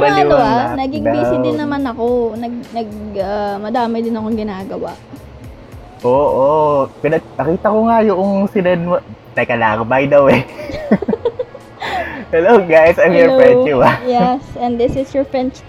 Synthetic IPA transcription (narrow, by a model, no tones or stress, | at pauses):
ɾnɐoanɐɡɪɡbiːsɪd̪ɪnːɐmanɐkonɐɡ̚nɐɡɐmɐd̪aːmɪd̪ɪnɐkoŋɡɪnaːɡɐwa̰ʔ | ʔoːʔopɪnɐnɐkiːt̪ɐkoŋajʊʔoŋsɪnɐd̪ɐ | nɐkɐla̰ːŋbajd̪ɐwɛ | hɛloɡajsɐjmjɔɹɹɛnuajɛsɐnd̪ɪsɪsjɔɹfɹɛnt͡ʃ